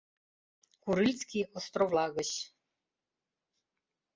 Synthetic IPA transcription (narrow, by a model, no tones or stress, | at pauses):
kuɾɨlʲskʰʲiɔst̪rɔvlaːɣɐɕ